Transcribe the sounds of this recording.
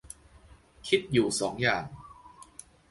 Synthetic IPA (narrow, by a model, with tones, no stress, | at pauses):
kʰi˦˥t̪̚juː˨˩sɔː˩˦ŋjaː˨˩ŋ